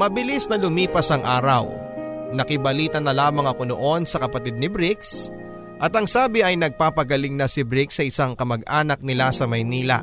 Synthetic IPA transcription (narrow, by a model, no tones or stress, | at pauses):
mɐbɪlɪsnɐlʊmiːpɐsɐŋʔaːɾɐ̰w | nɐkɪbɐliːt̪ɐnɐlaːmɐŋɐko̞no̰ʔo̞nsɐkɐpɐt̪ɪd̪̚nɪbɾɪks | ʔɐt̪ɐŋsaːbɪɐjnɐɡ̚paːpɐɡɐliŋnɐsɪbɾɪksɐʔɪsaŋkɐmɐɡʔaːnɐk̚nɪlasɐmɐjniːlɐ̰